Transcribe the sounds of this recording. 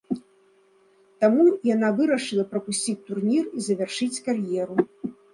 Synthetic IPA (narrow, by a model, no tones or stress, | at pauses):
t̪amujanavɨɾɐʂɨlˠɐpɾɐpusʲt͡sʲit͡sʲt̪urnʲirizɐvʲarʂɨt͡sʲkarjɛɾu